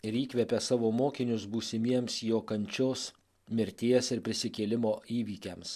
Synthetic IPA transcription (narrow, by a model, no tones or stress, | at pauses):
ɪɾiːkʋʲɛpʲɛsɑːʋoːmoːkʲɪnʲʊsbuːsʲɪmʲiɛmsjoːkɐnʲt͡ʃʲoːs | mʲɪɾʲt̪ʲiɛsɪɾpʲɾʲɪsʲɪkʲeːlʲɪmoːiːʋʲiːkʲɛms